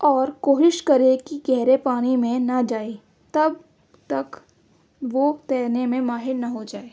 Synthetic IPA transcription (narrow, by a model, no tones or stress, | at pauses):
ɔːɾkoːɦɪʃkɐɾekiɡɛɦɾepaːɽ̃imẽnɐd͡ʒaːe | t̪ɐb | t̪ɐk | ʋot̪ɛːnemẽmaːɦɪɾnɐɦod͡ʒaːeː